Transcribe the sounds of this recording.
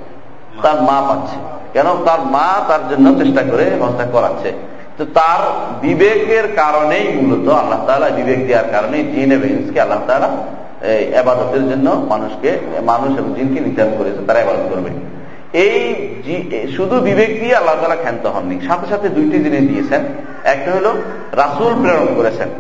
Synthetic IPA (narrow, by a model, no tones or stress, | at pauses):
t̪aɾmãpat̪ːɕʰe̥ | kɛnot̪aɾmat̪aɾd͡ʑonːot͡ɕeʃʈakoɾeɦɔsd̪akɔɾa̰ːt͡ɕʰe | t̪ot̪aɾbibekeɾkaɾonejmulot̪oalːaɦt̪aːlabibek̚d̪iaɾkaɾonejd͡ʑineboinskealːaɦt̪ala | ebad̪ot̪eɾd͡ʑonːomanuʃkemanuʃeboŋd͡ʑinkenid̪ʱaɾonkoɾiet͡ɕʰent̪aɾaebad̪ot̪̚koɾbḛ | ejd͡ʑiʃud̪ʱubibek̚t̪ialːaɦot̪alaɾkʰɛnt̪oɦɔ̰nːiʃat̪ʰeʃat̪ʰed̪ujʈid̪ined̪iet͡ɕʰen | ɛk̚ʈaɦolo | ɾasulpɾeoɾonkoɾet͡ɕʰen